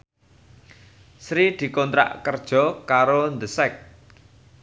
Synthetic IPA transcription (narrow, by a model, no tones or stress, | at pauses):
sɾid̪̥i̤kɔnt̪ɾa̰ʔkərd̥ʒ̥ɔ̤kaɾond̪əsɛk̚